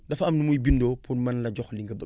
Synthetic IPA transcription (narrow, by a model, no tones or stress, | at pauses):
dɐfɐmnumujbindoːpʰunmɐnlɐɟɔxliŋɡɐbə